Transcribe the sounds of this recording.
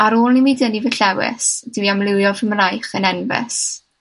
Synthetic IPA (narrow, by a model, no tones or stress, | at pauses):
aɾoːlˠnimidənivəɬɛwɪ̰sd̥wiamlˠɪwjɔvəmrajχənɛnvɪ̰s